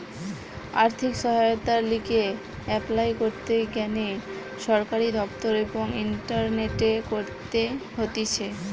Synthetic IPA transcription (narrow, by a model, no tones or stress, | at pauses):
a̰ɾt̪ʰikʃɔɦajot̪aɾlike | ɛplajkoɾt̪ekɛne | ʃɔɾkaɾid̪ɔpt̪oɾeboŋinʈaɾneʈekoɾt̪eɦot̪it͡ɕʰe